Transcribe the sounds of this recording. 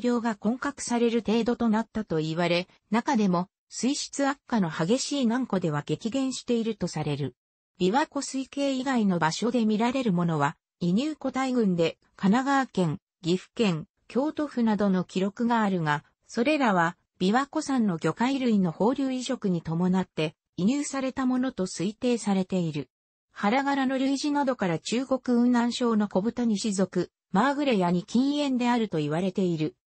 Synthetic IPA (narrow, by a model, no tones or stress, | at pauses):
ɾʲo̞ːɡakõ̞ŋkakɯ̟̥saɾe̞ɾɯ̟t̪e̞ːd̪o̞t̪o̞nat̪ːat̪o̞iβaɾe̞ | nakad̪e̞mo̞ | sɨiɕi̥t͡sɨakːano̞haɡe̞ɕiːnãŋko̞d̪e̞β̞aɡe̞kʲiɡẽ̞ɰ̃ɕi̥t̪e̞iɾɯ̟t̪o̞saɾe̞ɾɯ̟ | b̥ʲiβako̞sɨike̞ːiɡaino̞baɕo̞d̪e̞mʲiɾaɾe̞ɾɯ̟mo̞no̞βa | iɲ̟ɨːko̞t̪aiɡɯ̟̃nd̪e̞ | kanaɡaːkẽ̞ŋ | ɡʲiɸɯ̟̥kẽ̞ŋ | kʲo̞ːt̪o̞ɸɯ̟nad̪o̞no̞kʲiɾo̞kɯ̟ɡaːɾɯ̟ŋa | so̞ɾe̞ɾaβ̞a | b̥ʲiβako̞sãnːo̞ɡʲo̞kaiɾɯ̟ĩnːo̞ho̞ːɾʲɨːiɕo̞kɯ̟ɲ̟it̪o̞mo̞nat̪ːe̞ | iɲ̟ɨːsaɾe̞t̪amo̞no̞t̪o̞sɨit̪e̞ːsaɾe̞t̪e̞iɾɯ̟ | haɾaɡaɾano̞ɾʲɯiʑinad̪o̞kaɾat͡ɕɨːɡo̞kɯ̟ɯ̟̃nːãɰ̃ɕo̞ːno̞ko̞bɯ̟t̪aɲ̟iɕizo̞kɯ̟ | maːɡɯ̟ɾe̞jaɲ̟ikʲĩɰ̃ẽ̞nd̪e̞aɾɯ̟t̪o̞iβaɾe̞t̪e̞iɾɯ̟